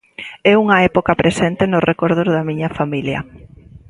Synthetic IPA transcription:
ɛuŋɐɛpokɐpɾʔesɛnt̪ɪnʊrekoɾð̞ozðɐmiɲɐfamiljɐ̰

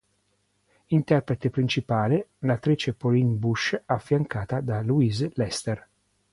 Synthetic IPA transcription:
int̪ɛrpɾet̪epɾint͡ʃipaːlelat̪ːɾiːt͡ʃepolinbuʃafːjaŋkaːt̪ad̪aluizlɛst̪er

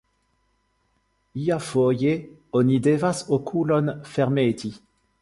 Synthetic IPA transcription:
iafoːje | ɔnid̪evasokʰulɔnfɛʁmeːt̪i

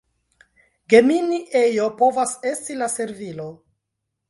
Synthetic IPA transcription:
ɡe̞miniʔe̞jopo̞vase̞stilase̞ɾvilo

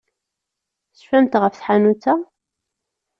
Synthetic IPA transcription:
θfæmt̪ʁəfθħanut͡sːæ

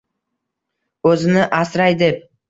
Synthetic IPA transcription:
ɵzɪnɪʔasɾajd̪ep̚

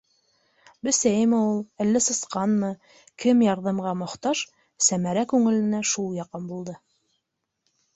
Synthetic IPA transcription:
bɵ̆sæjɘmæulˠæ̆lːɘsɤ̆sqɑnmɤ | kɘmjɑɾðɑmʁɑmŏχt̪ɑʃ | sæmæɾækʉŋɘ̆lɘ̆næʃulˠjɑqɤnbulˠd̪ɤ

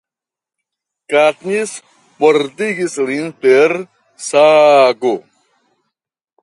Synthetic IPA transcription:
kat̪nis | poɾd̪iɡislinpeɾ | saɡo

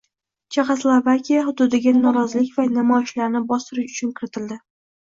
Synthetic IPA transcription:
t͡ʃʰeχaslˠovakʲijahʊd̪ʊd̪ɪɡʲanɒɾɒzɪlɪkʲvanamɒjɪʃlaɾnɪbɒst̪ɪɾɪʃʊ̥t͡ʃʰʊnkʲʰɪɾɪt̪ʰɪld̪ɪ

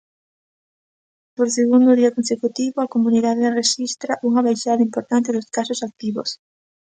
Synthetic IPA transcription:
poɾseɣund̪ʊðiɐkonsekut̪iβʊɐkomuniðaðereʃist̪ɾɐʔuŋɐβajʃaðɐimpoɾt̪ant̪ɪðʊskasʊsak̚t̪iβo̰s

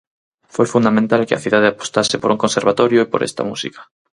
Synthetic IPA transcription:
fojfund̪amẽnt̪alkea̰θiðað̞eapo̥st̪asepoɾuŋkõnseɾβ̞at̪ɔɾjoepo̰ɾʔɛ̰st̪ɐ̰mṵsḭkḁ

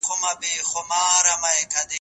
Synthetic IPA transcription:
kumɐbixʊmaːɾɐmɐekʰɐd̪i

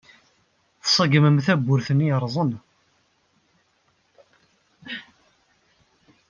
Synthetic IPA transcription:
θsˤəɡəməmθæbːʊɾθənːiəɾˤzˤən

